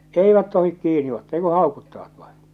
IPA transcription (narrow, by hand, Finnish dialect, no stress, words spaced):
eiʋæt tohik kiːni otːɑː ei ku hɑˑokutːɑʋɑt ʋɑĩː